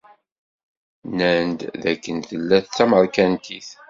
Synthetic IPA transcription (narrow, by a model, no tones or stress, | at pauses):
nænd̪ðækːənθəlːæθt͡sːæməɾkænt̪iθ